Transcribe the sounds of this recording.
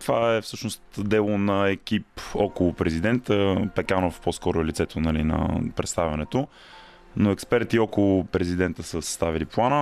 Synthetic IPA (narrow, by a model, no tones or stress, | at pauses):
t̪vaɛfsɤʃnost̪d̪ɛlˠonɐɛk̟ipɔkolˠʊpɾɛzid̪ɛnt̪əpɛkanofpɔskɔɾʊɛlit̪sɛt̪ʰonɐlinɐ̰pɾɛt̪st̪avʲɐnɛt̪o | noɛkspɛɾt̪iɔkolˠʊpɾɛzid̪ɛnt̪əsəsə̥st̪aviliplˠanə